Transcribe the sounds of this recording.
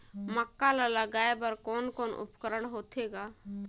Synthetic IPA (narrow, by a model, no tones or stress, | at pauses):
məkːalalaɡaːebəɾkoːnkoːnʊ̰pkəɾəɽ̃ɦoːt̪ʰeɡaː